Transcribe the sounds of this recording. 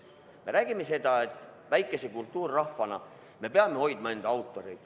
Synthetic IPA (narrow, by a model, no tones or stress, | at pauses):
me̞ɾæːɡ̥ime̞se̞d̪̥ɑe̞t̪ːˑ | væjkːˑe̞se̞kult̪ˑːuːrːɑhvɑnɑ̰ | me̞peɑme̞o̞jd̪mɑend̪̥ɑɑwt̪ːˑo̞ɾejd̪̥